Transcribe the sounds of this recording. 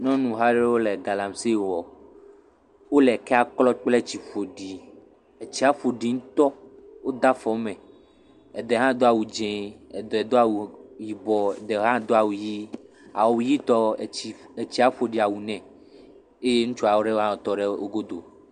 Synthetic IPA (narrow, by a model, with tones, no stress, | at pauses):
nɔ̃˦nũ˨ɦa˦ɖe˦wo˦lɛ˨ɡa˨la˨msi˦˨wɔ˨ | wo˦lɛ˨kɛ˦a˦klɔ˦k͡plɛ˦t͡ɕi˨fo˨ɖi˨ | e˨t͡ɕi˦a˦fo˨ɖi˨ŋũ˦t̪ɔ˦wo˦d̪a˦fɔ˨˦mɛ̃˨ | ɛ˨d̪ɛ˨ɦã˦d̪o˦a˨wu˨d͡ʒɛ̃˨ɛ˨d̪ɛ˨d̪o˦a˦˨wu˨ji˨bɔ˨ɛ˨d̪ɛ˨ɦã˦d̪o˦a˨wu˨ji˦ | a̰˨wwu˨ji˦t̪ɔ˦˨e˨t͡ɕi˦a˦fo˨ɖi˨a˨wu˨nɛ̃˨ | e˦je˦ŋũ˦t͡ʃu˦a˨wo˦ɖe˦ɦã˦ɔ˨t̪ɔ˦ɖɛ˦o˦ɡo˦d̪o˨